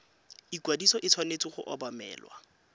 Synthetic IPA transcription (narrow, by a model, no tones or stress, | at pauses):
ikwadisɔʔɪt͡sʰwanet͡sʼiχʊ̰ʔɔbamɛ̰ːlwa̰